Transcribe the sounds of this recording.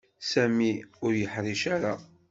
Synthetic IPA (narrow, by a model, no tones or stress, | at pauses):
sæmiʊɾjəħɾˤiʃaɾa